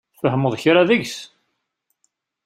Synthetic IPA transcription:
fəhəmoðˤçɾaðəʝs

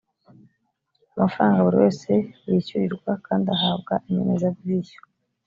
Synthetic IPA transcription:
amafɾaːŋɡaβuɾḭwe̞ːse̞wiːçuɾiɾɡwakaːndiahaːb̚ɡaimenezabviːjo̥

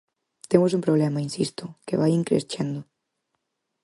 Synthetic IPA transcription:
t̪emos̬umpɾoβ̞lɛmɐinsist̪ʊkeβajiŋkɾḛst͡ʃend̪ʊ

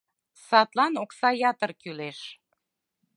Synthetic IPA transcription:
sɑt̪lˠɑnoksɑjɑt̪ərkyleʃ

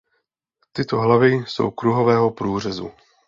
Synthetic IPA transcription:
t̪ɪt̪o̞ɦlavɪso̰wkɾuɦovɛːɦopɾuːr̝ɛzṵ

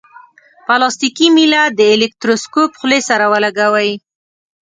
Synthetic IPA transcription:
palɑst̪ikimilad̪əelek̚t̪ɾoskopxlesaɾawəlaɡawaji

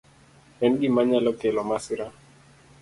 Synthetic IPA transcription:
ɛnɡimaɲalɔkɛlɔmasiɾa

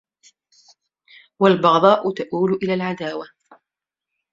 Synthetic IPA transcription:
walbɑɣd̪ˤɑːʔʊt̪aʔuːlʊʔɪlaːlʕad̪aːwa

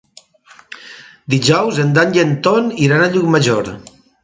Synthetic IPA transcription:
d̪iʒɔwzend̪aɲʎent̪oniɾanaʎukmaʒoɾ

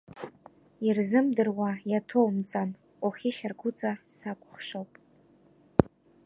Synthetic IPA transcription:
irzɨmdɨrwajatʰowmt͡sʼan | oχʲiʃarɡʷʊt͡sʼasakʷʼʊχʂowpʼ

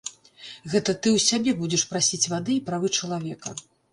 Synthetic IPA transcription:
ɣɛt̪ɐt̪ɨwsʲabʲɛbud͡zʲɛʂpɾasʲit͡sʲvad̪ɨipɾavɨt͡ʂɐlˠavʲɛkɐ

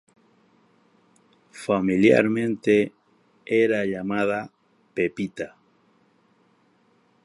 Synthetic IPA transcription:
familja̰ɾmẽ̞nt̪e | eɾaʎamaða | pepit̪a

